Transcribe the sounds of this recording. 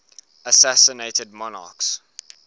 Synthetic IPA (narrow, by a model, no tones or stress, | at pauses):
əsæsəneɪtəd̚mɔnɑ̰ːˑks